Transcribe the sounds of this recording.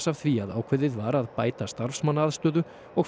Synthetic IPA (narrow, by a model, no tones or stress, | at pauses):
sav̥θviaðaːwkʰvʏðɪðvaɾaðpaːjt̪ast̪aɾfsmanːaðst̪œːðʏ | ɔɣ